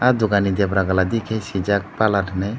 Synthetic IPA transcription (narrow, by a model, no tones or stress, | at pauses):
ad̪uɡanid̪ɛbɾaɡalad̪ikʰejsid͡ʒak̚palaʈʰnɛj